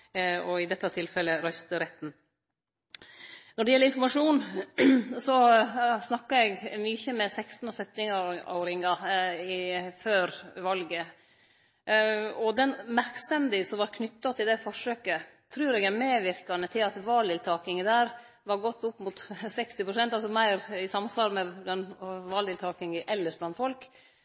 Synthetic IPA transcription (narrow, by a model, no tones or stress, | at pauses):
ɔɪd̪ɛt̪ːɑt̪ʰɪlfɛlːəɾœst̪əɾɛt̪ːn̩ | nɔɖɛjɛlːəɾɪnfɔɾmɑʂuːn | sɔsnɑkːɑɛɡmyːçəmɛsɛkst̪n̩ɔsœt̪ːɪŋɑ̰ʊɾɪŋɑɪføːɾʋɑlɡə | ɔd̪ɛnmæɾksɛmd̪ɪsɔʋɑɾkʰnʏt̪ːɑt̪ʰɪld̪ɛfɔʂøːkət̪ʰɾʉːɾɛɡæɾmeːʋɪɾkɑnət̪ʰɪlɑt̪ʋɑːld̪ɪlt̪ʰɑːkɪŋəd̪æːɾ | ʋɑɾɡɔt̪ːʊpːmʊt̪sɛkst̪ɪpɾʊsɛnt̪ɑlsɔmæɪɾɪsɑmsʋɑːɾmɛblɑnʋɑld̪ɪlt̪ʰɑːkɪŋəʔɛlːəʂblɑnt̪fɔlk